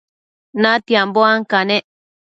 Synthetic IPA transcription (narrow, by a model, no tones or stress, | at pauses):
nãt̪iamboaŋkanẽʔ